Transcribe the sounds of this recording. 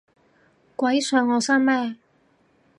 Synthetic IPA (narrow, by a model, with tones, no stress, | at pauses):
kwɐ˨˥jsœː˧ŋːɔː˨˧sɐː˥ŋmɛː˥˩